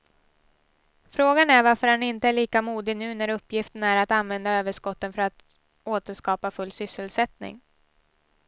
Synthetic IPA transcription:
fɾoːɡanæɾvaɾfœɾhanɪnt̪əæɭiːkamuːd̪ɪnʉ̟ːnæɾɵpːjɪft̪ənæɾat̪anvɛnd̪aøːvəʂkɔt̪ːənfœɾat̪ | oːt̪əʂkɑːpafɵlːsʏsːəlsɛt̪nɪ̰ŋ

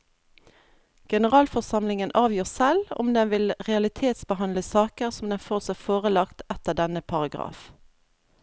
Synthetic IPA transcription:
ɡ̥ɛnəʁɑːlfɔʁsɑmlɪŋənʔɑːʋjøːʁsɛlʊ̰md̪ɛnʋɪlʁɛɑlɪt̪ʰeːt̪sbəɦɑnləsɑːkəʁsɔmd̪ɛnfoːʁsæfoːʁəlɑkt̪ɛt̪əʁd̪ɛnəpʰɑʁɑɡʁɑ̰ːf

